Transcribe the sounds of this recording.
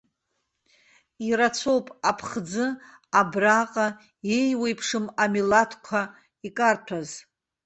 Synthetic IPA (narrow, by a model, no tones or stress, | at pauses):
iɾat͡sʰo̞wpʼapʰχd͡zɨ | abraqʼa | ejwejpʰʂɨmamilatʰkʷʰa | ikʼartʷʰaz